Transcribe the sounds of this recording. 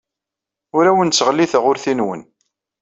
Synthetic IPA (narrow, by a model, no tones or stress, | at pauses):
ʊɾæwənsəʁlːiθʁʊɾθinwə̰n